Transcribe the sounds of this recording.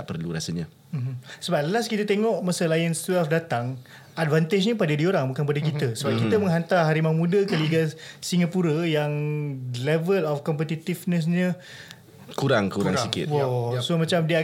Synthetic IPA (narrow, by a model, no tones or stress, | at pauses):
aʔpərluɾasəɲa | m̩səbaləlaskit̪ət̪eŋɔʔmasəlajənst̪wɛlfdat̪aŋ | advant̪ed͡ʒɲə̃padədioɾaŋbukanp̬adəkit̪əsəbap̚kiəmə̃ŋɦant̪aɦaɾimamũdəkəliɡasiŋapuɾəjaŋlɛvəlɔfkɔmpət̪it̪ifnə̃s̬ɲə | kuɾaŋkukɾaŋɾsikɪ̰t̪wɔsomãt͡ʃamdi